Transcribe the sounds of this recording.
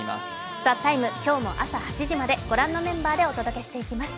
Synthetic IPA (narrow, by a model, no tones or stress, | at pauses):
d͡zat̪ːaimɯ̟kʲo̞ːmo̞̰ʔasahat͡ɕiʑimad̪e̞ɡ̥o̞ɾãnːo̞mẽ̞mbaːd̪e̞o̞t̪o̞d̪o̞ke̞ɕi̥t̪e̞ikʲimasɨ̥